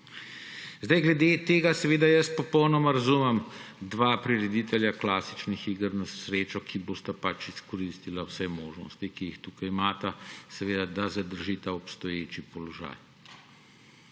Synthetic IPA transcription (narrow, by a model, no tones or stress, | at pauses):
zd̪ajɡlɛd̪et̪eːɡasɛʋeːd̪ajəs̚pɔpɔwnɔmaɾazuːmɛmd̪ʋaːpɾiɾɛd̪it̪ɛljaklaːsit͡ʃnixiɡəɾnasɾeːt͡ʃɔkʰiboːst̪apat͡ʃiskɔɾiːst̪ilawsɛmoːʒnɔ̰st̪ikijixt̪ukajimaːt̪asɛʋeːd̪ad̪azad̪əɾʒiːt̪aɔpst̪ɔjeːt͡ʃipɔlɔʒa̰ːj